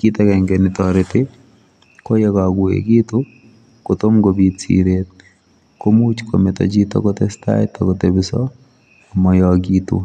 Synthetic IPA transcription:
ki˦t̪ɛ˦kɛŋɡe˨nɪtɔɾɪtɪ˦ | ko˦je˦ka˨ɡʊḛɡi˦t̪u˦ | ko˨t̪o˦mɡobitsḭɾet̪̚ | ko˦mu˦t͡ʃko˨met̪ɔ̰˨d͡ʒi˦tɔ̰˦kotesta̰˦ɪt̪ɔkotebɪ˦sɔ̰˦ | a˨mɔ˨jɔɡit̪ṵ˦

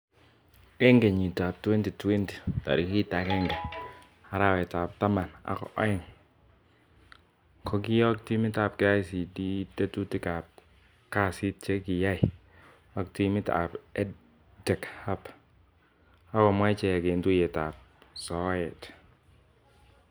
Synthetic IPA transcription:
kɛ˦ŋɡɛ˨ɲi˨ta˨p̚twɛ˦nti˨twɛ˦nti̥˨ta̰˨ɾi˨ki˦ta˨kɛ˦ŋɡɛ˨ | a˨ɾa˦˨wɛ˨ta˨p̚ta˦ma˨na̰˨kɔ̰˨ʔɔ̰˦ɪ˨ŋ | kʰɔ˦k̬i˦jɔ˦k̚ti˦mi˦ta˨p̚kɪ˨a˦jsi˨di˦te˦tu˦ti˦ka˨p̚ | ka˦˨si˦t̚t͡ʃɛ˦ki˨ja˦ɪ˨ | a˨kti˦mi˦ta̰˨pɛ˦ | dɛ˨kha˦p | a˦kɔ˨mwa˦t͡ʃɛ˨ɛ˨ke˨ntu˦jɛ˨ta˨p̚ | sɔ˨˦jɛ˨t

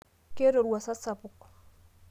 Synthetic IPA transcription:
ke˦ɾo˨ɾwa˨sa˦sa˨pʊ˨k

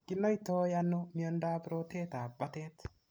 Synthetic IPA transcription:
kɪ˦nɔ˦i˦to˦ja˦no˦mjo˦nda˦pɾo˦te˦ta˨ba˦te˦t

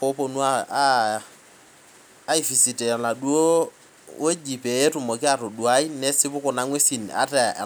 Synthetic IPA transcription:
po˦po˦nu˦a˦ | i˨fi˨si˨tɛ˨la˨ɗu˦o˦ | we˦d͡ʒi˨pe˨e˦tʊ˨mɔ˨kɪ˦a˨ɾo˨du˨a˦i˦nɛ˦sɪ˦bʊ˦kɔ˨na˦ŋwe˦si˨na̰˨˦tɛ̰˨

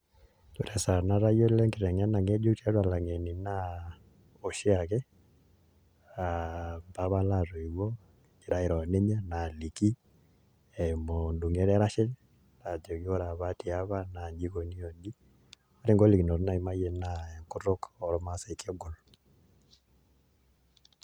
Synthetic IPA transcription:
tu˨ɾɛ˨sa˨na˦ɾa˦jo˦lɛ˦ŋkɪ˨ɾɛ˨ŋa˦na˨ŋe˦d͡ʒo˦ta˦ɾa˨la˨ŋe˨ni˨na˦ | o˨ʃɪ˦a˨kɛ˦ | a˨mba˦βa˦la˦˨to˨i˨wɔ˦ | i˨ɾa˦ɪ˨ɾɔ˨ne˦ɲa˦na˨li˨ki˦ | e˨mɔ˨ndu˨ŋɛ˦ɾɛ˦ɾa˦ʃɛ˦ | la˨d͡ʒɔ˨ki˦o˦ɾa˨βa˦ti˨a˦βa˦na˨d͡ʒi˦ko˨ni˦o˨nɡi˦ | ɔ˦ɾi˦ŋɡo˦li˨ki˨nɔ˨ɾna˦i˨ma˦jɛ˦na˨ɛ˨ŋkʊ˦ɾʊ˦kɔ˨ɾɔ˦ma˦sɛ˨i˨kɔ˦ɡɔ˨l

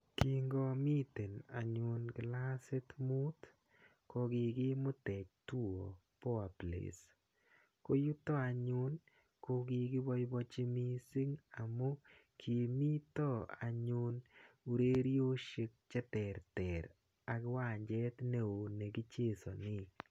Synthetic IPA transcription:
ki˨ŋɡɔ˦mi˦te˨na˨ɲʊ˨nɡla˦se˦t̪mu˦t̪ | ko˧ɡɪ˨ɡɪ˦mʊ˦tɛ˨k̚tu˦o˨pɔ˦a˨plḛ˨s | ko˦ju˦t̪ɔ˦a˨ɲʊ˦n | ko˦ɡɪ˧ɡɪ˦bɔ˦jbɔ˦t͡ʃɪ˦mi˦si˦ŋa˨mo˦ | kʰi˨mi˦t̪ɔ˦a̰˨ɲʊ˧nu˨ɾe˦ɾjo˦ʃi˧k̚t͡ʃɛ˦tɛ˨ɾtɛ˨ɾ | a˨ɡɪ˦wa˦˨ɲd͡ʒɛ˦t̪ne˦o˨ne˨ɡi˦t͡ʃe˦˨so˨nɪ˦k̚

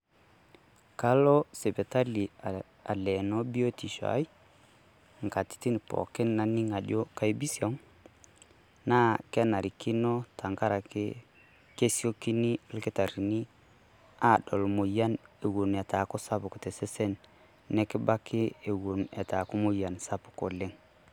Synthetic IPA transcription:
ka˦lɔ˦sɛ˨be˨ta˦li˨ | a˨lɛ˨no˦bi˦o˦ti˨ʃa̰˨˦j | ŋ˨ka˨ti̥˦ti˦n˨pɔ̰˨kɪ˦nna˨ni˦ŋa˨d͡ʒo˦ka˦jbi˦siɔ˦ŋ | na˦kɛ˦na˨ɾi˨ki˦nɔ˦ta˨ŋka˦ɾa˨kḭ˦ | ke˦si˦o˦ki˦ni˦lki˦ta˨ɾi˨ni˦ | a˦˨dɔ˨lmo˨ja˦ne˨wu˨ne˨ta˨kɔ˦sa˦pu˨ku˨tɛ˨sɛ˦sɛ˦nː | ɛ˦ki˦ba˦kʰi˦e˨wo˨nɛ̰˨ta˨ku˦mo˦ja˨nsa˦pu̥˨ko˨le˦ŋ

